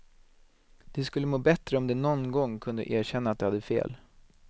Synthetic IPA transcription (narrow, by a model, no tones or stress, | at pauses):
d̪̥ɛskɵlːəmoːbɛt̪ɾəɔmd̪ɛnɔnɡɔŋːkʰɵnd̪ə̰ʔeːɾɕɛnːat̪̚d̪ɛhad̪ːəfḛːl